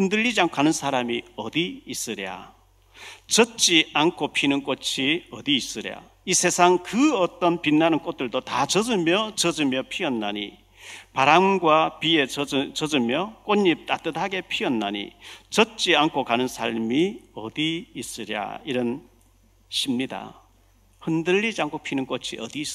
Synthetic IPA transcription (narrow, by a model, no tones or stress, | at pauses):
ɯndɯʎːid͡ʑiankʰanɯnsʰaɾamiʌdiːs͈ɯɾa̰ | t͡ɕʌt͡ɕ͈iankʰopʰinɯnk͈ot͡ɕʰiʌd̪iːs͈ɯɾa̰ | isʰe̞sʰaŋkɯʌt͈ʌnpinːanɯnk͈ot̚t͈ɯɭdotat͡ɕʌd͡ʑɯmjʌt͡ɕʌd͡ʑɯmjʌpʰiʌnːaɲi | paɾaŋɡwapie̞t͡ɕʌd͡ʑɯmjʌk͈oɲːip̚t͈at͈ɯdaɡe̞pʰiʌnːaɲḭt͡ɕʌt͡ɕ͈iankʰokanɯnsʰaɭmiʌdiːs͈ɯɾja̰iɾʌn | ɕʰimɲida̰ | hɯndɯɭːid͡ʑiaŋkʰopʰinɯnk͈ot͡ɕʰiʌ̰diːs͈